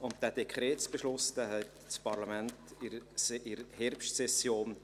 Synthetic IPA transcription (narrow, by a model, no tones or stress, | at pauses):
ʊntd̥æːd̥ekʰχrɛːtsb̥eʃlʊsd̥æːɦɛt | spʰɑɾlamɛntɪɾsʔɪɾhɛrpʃtsɛsjoːn